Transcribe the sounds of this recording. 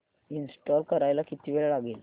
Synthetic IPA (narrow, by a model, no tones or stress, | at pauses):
insʈɔlkəɾajlakit̪iʋeɭalaɡel